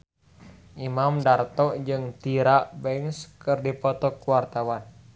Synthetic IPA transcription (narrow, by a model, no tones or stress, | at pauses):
ʔimamdart̪ɔʔd͡ʒɨŋt̪iɾaʔbɛŋskɨrdipɔt̪ɔkuwart̪awan